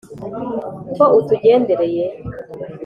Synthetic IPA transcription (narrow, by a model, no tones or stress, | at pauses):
toʔutuɟeːndeɾeje